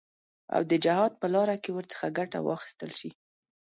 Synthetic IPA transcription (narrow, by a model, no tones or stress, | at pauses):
a̰wd̪əd͡ʒahɑd̪̚pəlɑɾakewəɾt͡sə̥xaɡaʈa̰wɑ̰xi̥st̪əlʃi